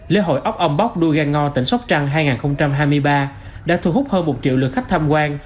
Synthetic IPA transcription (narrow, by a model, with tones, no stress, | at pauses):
lḛ˧˦ɦo̰˧˨jʔə˦˥wk͡p̚ʔə˧wŋ͡mɓa˦˥k͡p̚ɗu˧ɣaː˧ŋŋɔ˧t̪ï˧˩ŋ̟sa˦˥wk͡p̚t͡ɕa˧ŋɦaː˧jŋaː˨˩xə˧wŋ͡mt͡ɕa˧mɦaː˧jmɨ˧əjɓaː˧ | ɗa̰ː˧˥t̪ʰu˧˩ɦʊ˦˥k͡p̚həː˧nmo˨˩t̚t͡ɕḭ˧˨wlɨ̰˨˩kxa˦˥k̚t̪ʰaː˧mkwaː˧n